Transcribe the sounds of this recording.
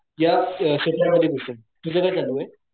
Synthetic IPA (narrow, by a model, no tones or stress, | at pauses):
jaɕet̪ɾjaməd̪ʱːjeɡʱosə | t̪ud͡zəɡəɭt͡salue